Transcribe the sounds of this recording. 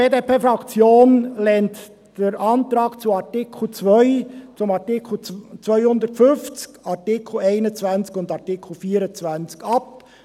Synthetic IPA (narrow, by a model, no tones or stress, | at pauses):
beːdepeːfɾɑkt͡sjoːnlɛnt | d̥əɾʔɑnt̪ɾɑːkt͡suɑtɪkʰl̩t͡svœʏt͡sʊmɑtɪkʰl̩t͡sʋœʏhʊndətfʏnft͡skɑtɪkʰl̩ɛɪnət͡svænt͡skʊnd̪ɑʁtɪkʰl̩fiːəɾət͡svænt͡skɑp̚